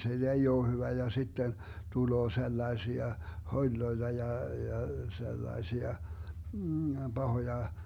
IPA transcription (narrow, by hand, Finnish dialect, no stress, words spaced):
se ei oː hyʋæ jɑ sitːen tuloː selːɑesiɑ holʲloetɑ jɑ jɑ selːɑesiɑ b̥ɑhojɑ